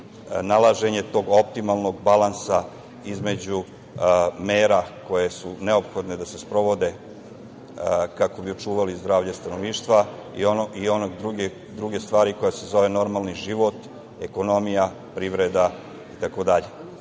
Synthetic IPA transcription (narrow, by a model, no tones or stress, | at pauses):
nalˠaʒe̞ɲe̞t̪o̞ːɡo̞p̚t̪imalˠno̞ɡbalansa | izme̞d͡ʑu | meːɾako̞je̞sune̞o̞pxo̞d̪ne̞d̪ase̞spɾo̞ʋo̞d̪e̞ | kako̞bio̞t͡ʃuːʋalizd̪ɾaːʋʎast̪anoʋniːʃt̪ʋaḭoio̞noɡd̪ɾuɡe | d̪ɾuɡe̞st̪ʋaːɾiko̞jase̞zo̞ʋe̞no̞ɾmalˠniʒiʋot̪ | e̞ko̞no̞mija | pɾiːʋɾe̞d̪a | it̪ako̞d̪aʎe̞